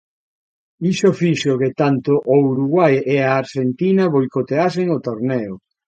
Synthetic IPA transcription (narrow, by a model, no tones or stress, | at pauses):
iʃofiʃʊket̪ant̪ʊʔouɾuɣwajeaːɾʃent̪inɐβojkot̪easeŋot̪oɾnɛo